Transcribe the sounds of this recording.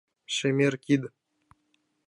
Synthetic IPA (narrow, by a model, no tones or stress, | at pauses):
ʃemʲerkʲid̪